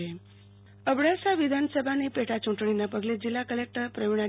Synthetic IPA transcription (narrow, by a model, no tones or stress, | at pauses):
e | əbɽasaʋid̪ʱansəbʱanipeʈat͡ɕuʈɳ̃inapəɡled͡ʑilːakəlek̚ʈəɾpɾəʋiɽa